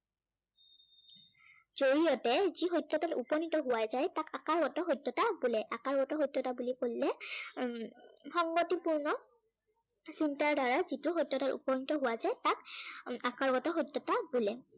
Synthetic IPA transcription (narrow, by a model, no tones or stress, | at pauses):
z̥oɹijɔtɛzixojtːɔtatupɔnitɔɦʊwazajtakakaɹɡɔtɔɦojtːɔtabulɛʔakaɹɡɔtɔɦojtːɔtabulikolilɛ | xɔŋɡotipuɹnɔ | sintaɹdaɹazitʊxɔjtːɔtatṵpɔnitɔɦʊwazajtakakaɹɡɔtɔɦojtːɔtabulɛ